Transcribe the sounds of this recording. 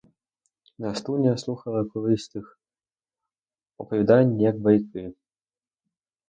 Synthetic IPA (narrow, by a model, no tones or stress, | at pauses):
nɐst̪unʲɐslˠuxɐlˠɐkulˠɨst̪ɨx | upɐvʲɛd̪anʲːijakbajkɨ